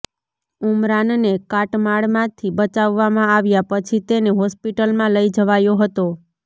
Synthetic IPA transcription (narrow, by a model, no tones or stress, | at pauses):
umɾannekaʈmaɭmãt̪ʰibət͡ʃaʋːamãaʋjapət͡ʃʰit̪eneɦɔspiʈəlmãləid͡ʒəʋajoɦət̪o